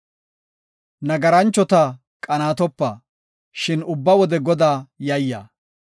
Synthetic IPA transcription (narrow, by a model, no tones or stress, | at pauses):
nɐɡɐɾɐnt͡ʃːɔt̪ɐ | kʼɐnaːt̪ɔpːaː | ʃɪnʊbːɐwɔd̪ɛɡɔd̪aːjɐjːa̰ː